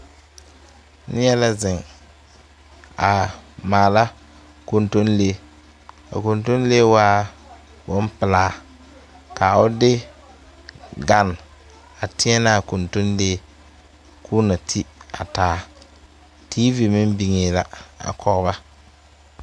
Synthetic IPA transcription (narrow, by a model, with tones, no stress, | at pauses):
nɪ˦jɛ˦la˦zɪ˨ŋ | a˨maː˨la˦ | ko˨nto˦nleː˦ | a̰˨ko˨nto˦n˦leː˦waː˦ | bʊ˦m˦pɪ˨laː˦ | ka˨ʊ˦dɪ˦ | ɡa˨n | a˨tɪ˦ɛ˦na˦˨ko˨nto˦nleː˦ | kʰu˦na˨tʰi˦a˨taː˨˦ | tʰiː˦vi˨mɪ˦mbi˨ŋeː˨la˨a̰˨kʰɔ˦ɣba˦